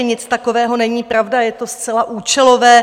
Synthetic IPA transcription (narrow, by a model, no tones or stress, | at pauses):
ɛɲɪt͡st̪ako̞vɛːɦo̞nɛɲiːpɾavdajɛt̪o̞st͡sɛlaʔuːt͡ʃɛlo̞vɛː